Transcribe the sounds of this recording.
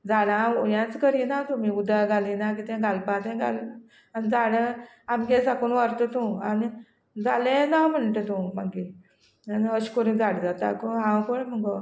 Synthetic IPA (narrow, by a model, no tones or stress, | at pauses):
d͡zaɽaujãt͡skəɾinat̪umiud̪ʱaɡalinak̬it̪ɛ̃ɡʱalpãt̪ɛ̃ɡʱal | anid͡zaɽẽ | amkesakuːnʋaɾt̪ət̪ũani | d͡zalẽnam̤əɳʈət̪ũmaɡi | aniɦəɕkoɾĩd͡zaɽd͡zat̪a̰koɦãwkoɽməɡɔ